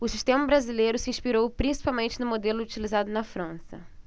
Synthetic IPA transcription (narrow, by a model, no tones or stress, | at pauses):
ʊsiʃt̪ẽmɐbɾazilejɾʊsɪiĩʃpiɾowpɾĩsi̥pawmẽnt͡ʃɪnʊmod̪elʊut͡ʃilizad̪ʊnɐfɾɐ̃sɐ̰